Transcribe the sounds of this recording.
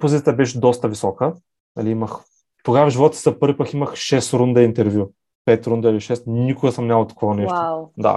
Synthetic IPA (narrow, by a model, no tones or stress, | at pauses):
pozit̪ʲjət̪əbɛʃɛd̪ɔst̪əvisɔkə | nɐ̰liiməx | t̪oɡavɐʒivɔt̪ʲt̪ʲzɐpɤɾvʲipakimɐxʃɛst̪ɾund̪ɐint̪ɛɾvʲju | pɛt̪ɾund̪ɐiliʃɛst̪nikʊɡəsɐmnʲavlˠt̪ɐ̥kʰɔvɐnɛʃʃod̪a̰